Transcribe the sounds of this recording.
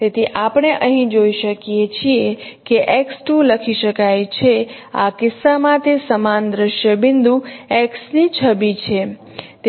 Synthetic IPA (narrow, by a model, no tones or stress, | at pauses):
t̪et̪ʰiʔapɽ̃eʔəɦĩd͡ʒoiʃəkijet͡ʃʰiekeʔeksʈuləkʰiʃəkajt͡ʃʰe | a̰kɪsːamãt̪esəmand̪ɾəʃjəbɪnd̪ueksnit͡ʃʰəbit͡ʃʰe | t̪